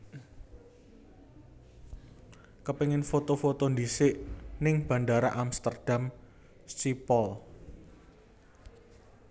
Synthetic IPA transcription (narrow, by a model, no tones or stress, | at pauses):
kəpeŋɪnfot̪ofot̪ond̪isɪʔnɪŋb̥ä̤ndaɾaʔamst̪ərd̥am | stipɔl